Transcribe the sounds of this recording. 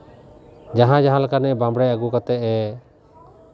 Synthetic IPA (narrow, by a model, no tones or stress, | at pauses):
d͡ʒaɦãd͡ʒaɦãlakanɛbambɽɛjaɡukat̪ɛʔɛ